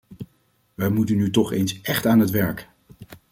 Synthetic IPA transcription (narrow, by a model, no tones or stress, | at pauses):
ʋɛjmutənytɔχejnsɛχtaːnɦətʋɛɹk